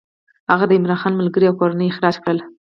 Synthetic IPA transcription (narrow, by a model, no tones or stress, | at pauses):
haɣad̪əɪmɾɑnxɑnməlɡəɾiawkoɾanəjɪxɾɑd͡ʒkɽəl